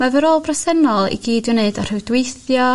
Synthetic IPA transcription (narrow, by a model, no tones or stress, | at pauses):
mavəɾoːlˠbrasɛnɔlˠḭɡiːdɨneɨdɔr̥ɨwdweɨθjɔ